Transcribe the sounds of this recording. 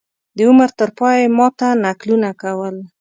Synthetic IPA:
d̪əʊməɾt̪əɾpɑjemɑt̪anaklunakawəl

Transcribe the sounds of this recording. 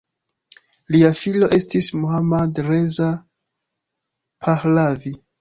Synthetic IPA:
liafilo̞ʔe̞stismuhamadɾeza | pʰaxlavi

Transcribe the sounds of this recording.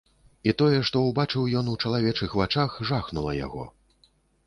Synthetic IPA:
it̪ɔjɛʂt̪ɔwbat͡ʂɨwjɔnut͡ʂɐlˠavʲɛt͡ʂɨxvat͡ʂaxʐaxnulˠɐ̰ja̰ɣɔ̰

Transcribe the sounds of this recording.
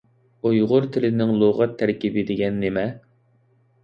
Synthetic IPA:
ojʁʊɾt̪ʰɪlɪnɪŋlˠoʁɑt̪ʰːæɾkʲibɪd̪ɪɡʲɛnːemɛ

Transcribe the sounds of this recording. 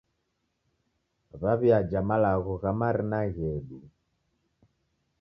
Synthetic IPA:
βaβiad͡ʒamalaɣɔɣamaɾinaɣɛɗu

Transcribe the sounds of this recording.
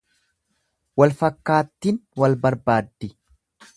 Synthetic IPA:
wɐlfɐkːaːt̪ːiːnwɐlbɐɾbaːd̪ːɪ

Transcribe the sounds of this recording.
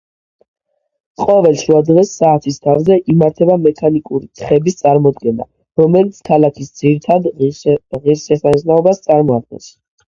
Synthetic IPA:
qʼɔvɛlʃɾuad̪ʁɛsːaːt̪ʰist̪ʰavzɛʔimaɾt̪ʰɛbamɛkʰanikʼuɾit̪ʰχɛbist̪sʼaɾmɔd̪ɡɛna̰ | ɾɔmɛlit̪sʰkʰalˠakʰisd̪ziɾit̪ʰad̪ | ʁiɾsɛχaznaɔbast̪sʼaɾmɔad̪̚ɡɛ̰ns

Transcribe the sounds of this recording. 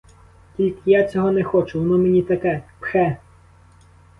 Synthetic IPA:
tʲilʲkɪjat͡sʲɔɦɔnɛxɔt͡ʃʊnɔmenʲit̪ɐkɛpxɛ

